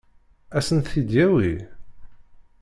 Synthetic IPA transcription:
æsənθid̪jæwi

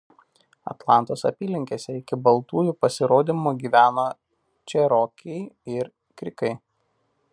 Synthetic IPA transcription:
ɐ̰t̪lˠɑˑnt̪oːsɐ̰pʲiːlʲɪŋʲkʲesʲɛɪkʲɪbɐlˠt̪uːjuːpɐsʲɪɾoːd̪ʲimuːɡʲiːʋʲæːnoː | t͡ʃʲɛɾɔːkʲɛɪɪɾ | kʲɾʲɪkɐɪ

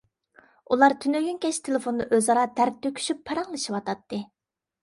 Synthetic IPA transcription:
ulˠɑɾt̪ʰynøɡʲynkʲɛʃt̪ʰelˠɪfonːɨʔøzɑɾɑd̪æɾk̚ʲt̪ʰøkʲʰy̥ʃypʰːɑɾɑŋlˠɨʃiwɑt̪ʰɑt̪ːɨ

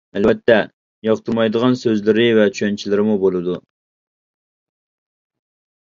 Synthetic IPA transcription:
ɛlbɛt̪ʰːɛ | jɑqt̪ʰɨɾmɑjd̪əʁɑnsøzlɪɾɪvɛt͡ʃʰyɛnt͡ʃʰilɪɾɪmubolˠɨd̪u

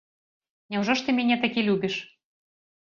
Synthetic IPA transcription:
nʲɛwʐɔʂt̪ɨmʲɛnʲɛt̪akʲilʲubʲiʃ

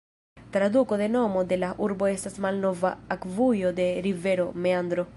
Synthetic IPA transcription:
t̪ɾaðukoðenomod̪elaʔuɾboest̪asmalnovaːkvujod̪eɾiveɾomeand̪ɾo

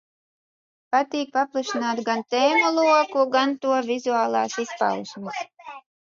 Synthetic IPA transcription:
pat̪iːk̚paplˠaʃinaːt̪ɡant̪ɛːmulˠuɔkuɡant̪uɔvʲizuaːlˠaːsispa̰lʃmɨs

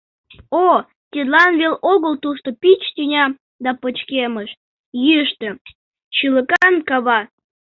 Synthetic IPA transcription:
o | t̪ʲed̪lɑnβeloɣəlt̪uʃt̪opit͡ɕt̪ynʲɑ | d̪ɑpət͡ɕkeməʃ | jyəʃt̪ə | t͡ɕyləkɑnkɑβɑ

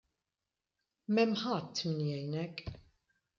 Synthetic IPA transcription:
mɛmːħɐt̪ːmɪnjɛjnɛk

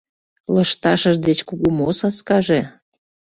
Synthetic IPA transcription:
ləʃt̪ɑʃəʒd̪et͡ɕkuɣumosɑskɑʒe

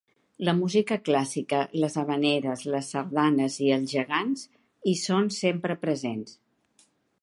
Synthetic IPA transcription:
ləmuzikəklasikələzəβəneɾəzləsːəɾðanəziəlˠzʒəɣanz | isonsempɾəpɾəzens

